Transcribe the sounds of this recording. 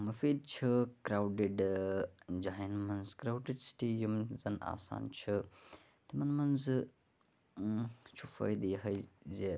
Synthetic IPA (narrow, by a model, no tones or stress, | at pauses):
mɐfid̪̚t͡ʃʰɐkɾawɖeɖ | d͡ʒaːɦinmɐnzkɾawɖeɖsi̥ʈijɐmzɐna̰ːsa̰ːnt͡ʃʰɨ | t̪ɐmɐnmɐnz | t͡ʃʰufɐ̰jd̪ɦɐjze